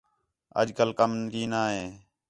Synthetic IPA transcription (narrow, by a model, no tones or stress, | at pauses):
ə̰d͡ʒkəlkəmkiːnaːɦeː